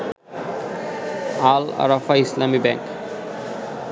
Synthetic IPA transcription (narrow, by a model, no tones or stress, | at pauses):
ala̰ɾafaislamibɛ̰̃ŋk